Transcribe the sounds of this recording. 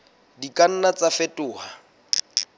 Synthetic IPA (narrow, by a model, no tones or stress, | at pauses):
dikʼan̩nat͡sʼafetʼʊːha